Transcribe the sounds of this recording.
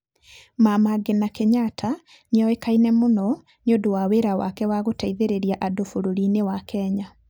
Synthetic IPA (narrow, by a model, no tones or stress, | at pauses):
mamaɡenakeɲatʰa | nejɔekainɛmonɔ | neodowaweɾawa̰kɛwaɣotaiðeɾeɾjaʔadofoɾoɾiːnewakɛːɲa